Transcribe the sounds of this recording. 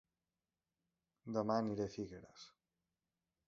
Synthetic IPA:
d̪əmaniɾefiɣeɾə̰s

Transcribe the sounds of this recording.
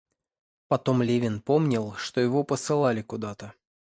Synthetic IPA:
pɐt̪o̞mlʲevʲɪnpomnʲɪlˠʂt̪ojɪvo̞pəsɨlˠalʲɪkʊd̪at̪ə

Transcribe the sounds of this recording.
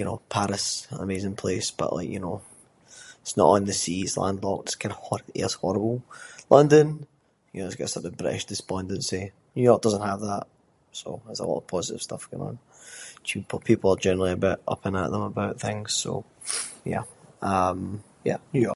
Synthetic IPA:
jɨno̰pʰaɹɪsə̰mezɪ̃ŋpʰl̥esb̥ʌ̰ʔlˠʔˠa̰ɪkjɨ̰no | ɪtsnə̰ʔn̩ðəsislˠã̰ndlˠɔk̚ɪskʰãɪ̃dəhɔḛshɔɹəbəl̩ˠlˠʌ̃ndə̃n | jɨnoɪzɡɔʔəsɔʔəbɹɪ̰ʔɪ̰ʃd̥ɪspɔ̃ndə̃nsi | jəjɔɹk̚d̥ʌzə̃nʔhəvðaʔ | so̰ɪzə̰lˠɔ̰ʔə̰v̥pʰɔzɪʔɪ̰v̥stʌfɡ̥ɔ̰̃nə̰̃nt͡ʃʰʉpʰʊpʰipl̩ˠəd͡ʒɛnə˞əl̩ˠiəbɪʔʌ̰pə̃nə̰ʔðə̃məbaʊʔθɪ̃ŋz̥so̰ | jæ̰ʌ̃m | jæ̰jəjɔ̰

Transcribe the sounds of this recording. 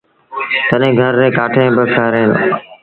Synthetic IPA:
t̪əɗɦẽːɡʱəɾːeːkaːʈʰẽːbəkʰaːɾẽːno̰

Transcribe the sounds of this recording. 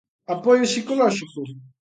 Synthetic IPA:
apɔjosikolɔʒiko

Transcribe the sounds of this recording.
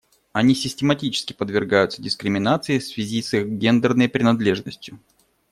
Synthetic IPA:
ɐnʲisʲɪsʲtʲɪmɐtʲit͡ɕɪ̥skʲɪ̥pəd̪vʲɪrɡajʊt̪sədʲɪskɾʲɪmʲɪnat̪sɨɪfsvʲɪzʲisixɡʲend̪ɨrnəjpɾʲɪnɐd̪lʲe̞ʐnəsʲtʲjʊ

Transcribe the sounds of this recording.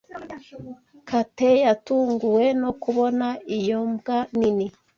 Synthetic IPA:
katejatuːŋɡuwe̞no̞kuβo̞naijomɡanini

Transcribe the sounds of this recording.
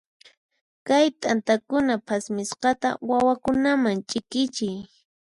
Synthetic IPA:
kajt̪ʼant̪akʊnapʰasmɪsqɑt̪a̰wawakʊnamaŋt͡ʃʼɪkɪt͡ʃɪj

